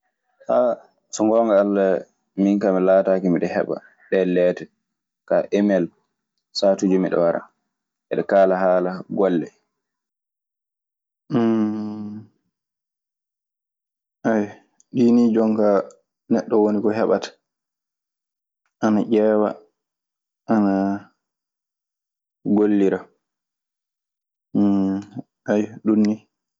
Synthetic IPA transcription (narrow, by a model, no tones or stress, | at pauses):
ha | sɔŋɡɔːŋɡaalːa | miŋkamilaːtaːkimiɗɛhɛ̰ɓa̰ | ɗɛlɛːtɛ | kaʔɛmɛl | saːtud͡ʒumiɗɔ̰waɾa̰ | ʔɛɗɛkaːlaɦaːlaɡɔlːɛ | ʔaj | ɗinid͡ʒɔŋka | nɛɗːɔwonikɔɦɛɓatḁ | ʔanaʔɛːwa̰ | ʔana | ɡolːiɾa | ʔajɗunːi